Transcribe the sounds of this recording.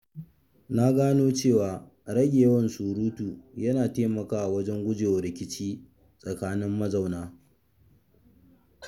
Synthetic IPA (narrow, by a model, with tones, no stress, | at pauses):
na˦ɡaː˦noː˦t͡ʃeː˦˨waː˨ | ɽɐ˦ɡʲeː˨wɐ˦nsuː˨ɾuː˦tuː˨jɐ˦naː˨teː˦mɐ˨kaː˦ʔa˨wɐ˦d͡ʒɛ˦ŋɡʷʊ˦d͡ʒeː˨wɾɪ˨kʲɪ˦t͡ʃiː˦ | sʼɐ˨kaː˦nɪ˦mːɐ˦za˨wnaː˦